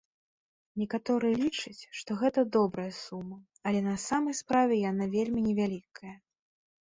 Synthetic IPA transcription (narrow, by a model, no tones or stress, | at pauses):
nʲɛkat̪ɔɾɨjɛlʲit͡ʂɐt͡sʲʂt̪ɔɣɛt̪ɐd̪ɔbɾɐjɐsumːɐ | ɐlʲɛnɐsamɐjspɾavʲɛjanavʲelʲmʲinʲɛvʲalʲikʰɐjɐ